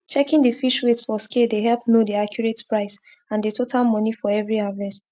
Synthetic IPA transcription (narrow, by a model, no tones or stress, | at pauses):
t͡ʃɛkɪ̃ŋdəfiʃwetsfɔskedeɦɛlpnodiakjuɹetpɹaɪs | ãndetʰotʰalˠmɔ̃nifɔɛvɹihavɛs